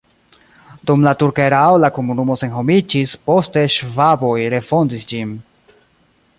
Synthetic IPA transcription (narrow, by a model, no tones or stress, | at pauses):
dumlatuɾkeɾaolako̞munumo̞se̞nɦo̞mid͡ʒispo̞ste̞ʃvabo̞jɾe̞fo̞ndisd͡ʒin